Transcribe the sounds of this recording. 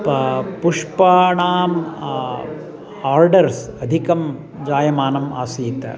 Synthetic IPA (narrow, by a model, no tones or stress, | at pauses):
ppuʂpaːɳaːm | aːɾɖɐɾsɐd̪ʱikɐm | d͡ʒaːjɐmaːnɐma̰ːsiːt̪ɐ̰